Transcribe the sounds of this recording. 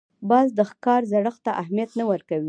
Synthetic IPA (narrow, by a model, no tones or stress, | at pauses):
bɑzd̪əxkɑɾzaɽəxt̪aʔahmijat̪nawəɾkawi